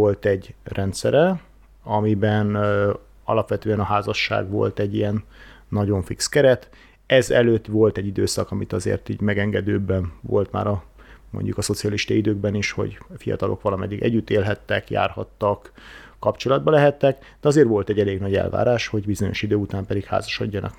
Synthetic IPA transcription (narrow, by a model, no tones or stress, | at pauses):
o̞lt̪ɛɟrʔɛnt̪sɛɾɛ | ɒmibɛn | ɒlɒpʋɛt̪øːɛnɒɦaːzɒʃːa̰ːɡʋo̞̰lt̪ɛɟːijɛnː | ɒɟo̞ɱfikskɛɾɛt̪ | ɛzɛløːt̪ːʋo̞lt̪ɛɟːid̪øːsɒkɒmit̪ɒzḛːrt̪ḭːɟmɛɡɛŋɡɛd̪øːbɛnvo̞lt̪ma̰ːɾɒmo̞̰ɲɟukɒso̞t̪sijɒliʃt̪ɒid̪øːɡ̚bɛniʃho̞̰ɟfijɒ̰t̪ɒlʔo̞̰kʋɒlɒmɛd̪ːiɡɛ̰ɟːyt̪eːlɦɛt̪ːɛkja̰ːrhɒt̪ːɒkː | ɒpt͡ʃo̞lɒd̪̚bɒlɛɦɛt̪ːɛk | d̪̥ɛɒzeːrʋo̞lt̪ɛɟɛleːɡnɒɟɛ̰lva̰ːɾaːʃho̞ɟbizo̞ɲo̞ʃid̪øːut̪aːmpɛd̪ikha̰ːzɒʃɒɟːɒnʔɒ̰k